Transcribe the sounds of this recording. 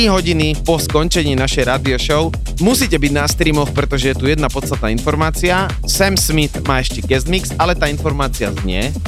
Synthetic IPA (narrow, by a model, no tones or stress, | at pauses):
iɦɔɟinipɔskɔnt͡ʃɛɲiːnaʃɛjɾaːd̪iɔʃɔʊ | musiːcɛbiɟnast̪ɾiːmɔxpɾɛt̪ɔʒɛjɛt̪ujɛd̪napɔst̪at̪̚naːinfɔɾmaːt͡sia | sɛmsmit̪maːɛʃcɛɡɛzmiksalɛt̪aːinfɔɾmaːt͡sia̰zɲɛ